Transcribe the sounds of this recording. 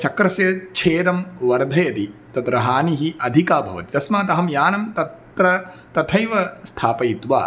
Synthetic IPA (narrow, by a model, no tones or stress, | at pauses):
t͡ʃɐkɾɐsjɐt͡ʃʰeːɾɐmʋɐɾd̪ʱɐjɐt̪it̪ɐd̪ɾɐɦaːniɦiʔɐd̪ʱikaːbʱɐ̰ʋɐ̰t̪it̪ɐsmaːt̪ɐɦɐmjaːnɐmt̪ɐt̪ | ɾɐ | t̪ɐt̪ʰɐjʋɐst̪ʰaːpɐjit̪ʋa̰ː